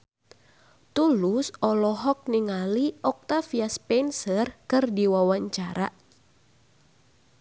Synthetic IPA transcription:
t̪ulʊsɔlɔɦɔk̚niŋaliʔɔk̚t̪afiaspɛnsərkɨrdiwawaɲt͡ʃaɾaʔ

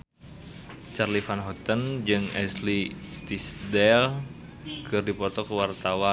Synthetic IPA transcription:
t͡ʃarlifanɦɔt̪ənd͡ʒɨŋɛslit̪isdɛl | kɨrdipɔt̪ɔkəwart̪awa

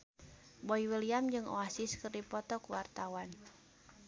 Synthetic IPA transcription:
bɔiwiliamd͡ʒɨŋʔɔ̰asiskɨrdipɔt̪ɔkuwart̪awan

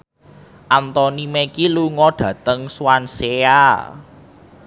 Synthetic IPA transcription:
ʔant̪ɔnimekiluŋɔɖ̥ä̤t̪əŋswansea

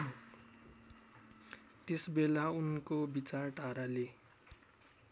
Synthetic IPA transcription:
t̪esbelaunkobit͡sarʈaɾale

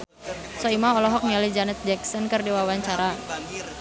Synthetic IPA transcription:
sɔimaɔlɔɦɔk̚mialid͡ʒanɛt̪̚d͡ʒɛk̚sɔnkɨrdiwawaɲt͡ʃaɾa

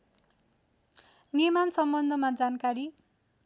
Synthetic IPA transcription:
nirmansʌmbʌnd̪ʱʌmad͡zankaɾi

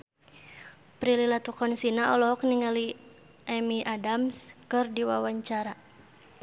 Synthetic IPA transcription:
pɾililat̪ukɔnsinaɔlɔɦɔkniŋali | ʔɛmiʔadamskɨrdiwa̰waɲt͡ʃaɾa

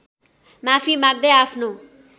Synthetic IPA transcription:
mapʰimaɡ̚d̪ejapʰno

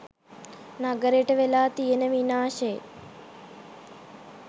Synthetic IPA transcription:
naɡəɾeʈəʋelaːt̪ijenəʋinaːʃe

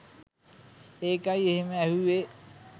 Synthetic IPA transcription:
eːkajeɦeməæɦuʋe

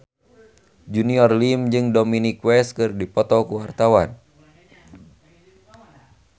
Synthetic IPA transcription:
d͡ʒuniɔrlimd͡ʒɨŋdɔminikwɛskɨrdipɔt̪ɔkuwart̪awan

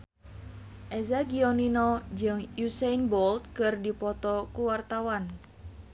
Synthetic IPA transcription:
ʔɛzaɡiɔninɔd͡ʒɨŋjusɛjnbɔlt̪̚kɨrdipɔt̪ɔkuwart̪awan

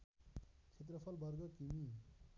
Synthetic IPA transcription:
kʰet̪̬rʌpʰʌlbʱʌrɡʌkimi

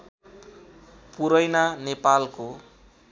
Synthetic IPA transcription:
puɾʌjnanepalko

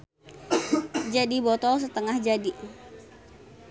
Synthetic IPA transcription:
d͡ʒadibɔt̪ɔs̬ət̪əŋahd͡ʒadi

